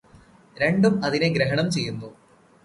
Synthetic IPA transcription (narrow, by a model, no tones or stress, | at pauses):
ɾe̞ɳɖumɐðineɡɾeɦɐɳɐmt͡ɕe̞jːunːu